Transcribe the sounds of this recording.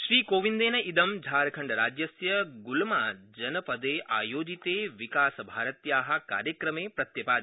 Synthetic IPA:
ʃɾiːkoːʋind̪eːnɐid̪ɐmd͡ʒʱaːɾkʰəɳɖɾaːd͡ʒjɐsjəɡulmad͡ʒɐnəpəd̪eʔaːjoːd͡ʒit̪eʋikaːsbʱaːɾət̪jaːɦɐka̰ːɾjəkɾəmeːpɾɐt̪jɐpa

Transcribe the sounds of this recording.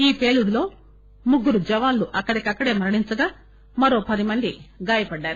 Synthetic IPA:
iːpe̞ːluɽulo̞ː | muɡːuɾud͡ʒɛʋaːnluʔɐkːɐɽikʲɐkːɐɽe̞ːmɐɾɐɽiɲt͡ʃɐɡaː | mɐɾo̞ːpɐd̪imɐnd̪iɡaːjɐpɐɖːaːɾu

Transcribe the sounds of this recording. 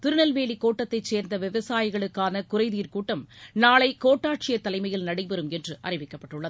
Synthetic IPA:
t̪ɪɾɯnɐlʋeːlikoːʈːɐt̪ːɐɪt͡ʃːeːɾnd̪ɐʋɪʋɐsaːjɪɣɐɭɯkːaːnɐkʊrɐɪðiːrkuːʈːɐmnaːɭɐɪkoːʈːaːʈ̚t͡ʃɪjɐt̪ːɐlɐɪmɐjɪlnɐɽɪpɛɾɯmɛndrɯʔɐrɪʋɪkːɐpːɐʈːɯɭːɐð

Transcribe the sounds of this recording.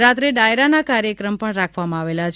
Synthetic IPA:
ɾat̪ɾeɖaeɾanakaɾjəkɾəmpəɳɾakʰʋamãaʋelat͡ʃʰ

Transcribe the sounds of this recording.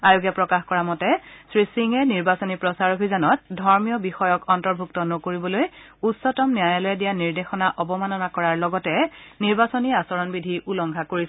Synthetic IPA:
ajoɡjapɹɔkaxkɔɹamɔtɛsɹisiŋɛniɹbasɔnipɹɔsaɹobʱizɔnɔt̚dʱɔɹmijɔbixɔjɔkɔntɔɹbʱuktɔnɔkoɹibɔlojutsɔtɔmnijajalɔjɛdijaniɹdexɔnaʔɔbɔmanɔnakɔɹaɹlɔɡɔtɛniɹbasɔniasɔɹɔnbidʱiʔulɔŋɡʱakoɹis

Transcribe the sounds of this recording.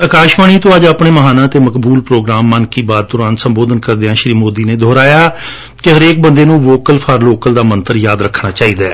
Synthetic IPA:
əkaːʃmaːɽ̃iːt̪õːəd͡ʒaːpɳeːməɦaːnãːt̪eːməkbuːlpɾoːɡɾaːmːənkiːbaːd̪̚t̪ʊɾãːnsəmboːd̪ənkəɾd̪eãːʃɾiːmoːd̪iːneːd̪ʱoːɾaːjaː | kɪɦəɾeːk̚bənd̪eːnũːʋoːkəlpʰaːɾloːkəld̪aːmənt̪əɾjaːd̪ɾəkʰːɳaːt͡ʃaːiːd̪aː

